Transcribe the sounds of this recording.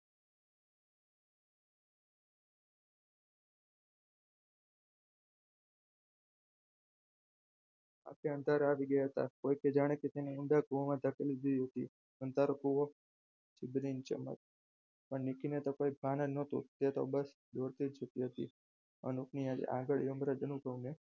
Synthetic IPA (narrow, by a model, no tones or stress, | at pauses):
a̰keə̃nd̪ʱaɾaʋiɡəjaɦət̪a̰kojked͡ʒaɽ̃eket̪eneuɳɖakuʋomãd̪ʱəkelid͡ʒ̪əiɦət̪ḭ | ənt̪aɾokuʋo | d͡ʒibɾint͡ʃə̰mə̰t̚ | pəɳːikinet̪okoibʱananət̪ṵt̪et̪o̰bəs | d̪oɾt̪id͡ʒət̪iɦət̪ḭ | ə̰nukniad͡ʒḛʔaɡəɭjəmɾad͡ʒənukəune